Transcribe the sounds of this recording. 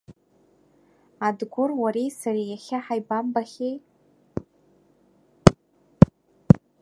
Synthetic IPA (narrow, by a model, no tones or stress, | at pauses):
adɡʷʊrwaɾejsarejaχʲaħajbambaχʲej